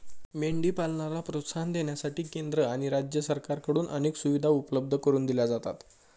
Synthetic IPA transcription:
meɳɖiːpalɳalapɾot̪sand̪eɳjasaʈiːkend̪ɾəaɽ̃iɾad͡ʑjəsəɾkaɾkəɽuːnʔəñeːksuʋid̪ʱaupləb̚d̪ʱəkəɾuːnd̪ilad͡zat̪a̰t̪

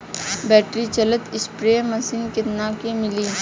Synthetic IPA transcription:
bɛːʈɾit͡ʃɐlət̪ɪspɾeːmɐsiːnket̪naːkemɪliː

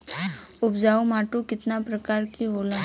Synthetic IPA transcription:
ʊbd͡ʒaːumaːʈukɪt̪napɾəkaːɾkiɦoːla

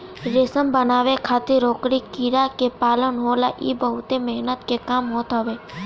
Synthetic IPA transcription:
ɾesəmbənaːʋekʰaːt̪eɾoːkɽikiɾakepaːlənɦoːlaʔḭːbəɦʊt̪emɛɦnət̪kekaːmɦoːt̪ɦəʋeː

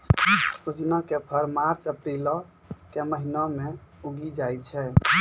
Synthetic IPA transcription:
sut͡ʃnakepʰəɾmaɾt͡ʃəpɾilɔ | keməɦinɔmeuɡid͡ʒajt͡ʃʰɛ

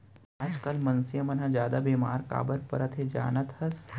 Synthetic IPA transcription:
aːd͡ʒkɐlmɐnsijɐmɐnɦad͡ʒjaːd̪abeːmaːɾka̰ːbəɾpɐ̰ɾɐt̪ʰɦed͡ʒa̰ːnɐt̪hɐs

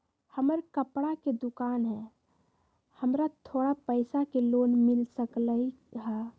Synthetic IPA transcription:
həməɾkəpɽaked̪ʊkaːnɦɛ̃ | həmɾat̪ʰoːɽapəɪsakeloːnmɪlsəkləiɦaː

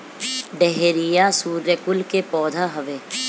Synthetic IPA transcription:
ɖɛɦɾɪjasuːɾːekʊlkepɔːd̪ʱaɦɐʋeː

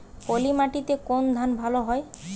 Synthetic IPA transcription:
polimaʈit̪ekond̪ʱanbʱaloɦɔe

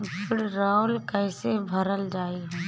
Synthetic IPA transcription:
pʰɪɽɾaːʊlkəːsebʱəɾəld͡ʒaːiːɦ

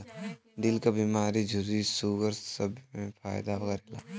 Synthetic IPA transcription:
ɖ̪ɪlkabimaːɾid͡ʒʱʊɾisuːɡəɾsəbmẽpʰaːjd̪abɐɡɛɾela̰

